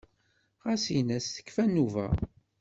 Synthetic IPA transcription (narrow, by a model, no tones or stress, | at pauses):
ʁɑsinæsθə̥kːfænːuvæ̰